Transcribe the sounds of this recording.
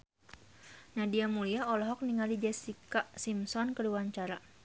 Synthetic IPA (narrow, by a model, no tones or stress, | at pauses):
nadiamuliaɔlɔɦɔk̚niŋalid͡ʒɛsikaʔsimsɔnkəluwaɲt͡ʃaɾa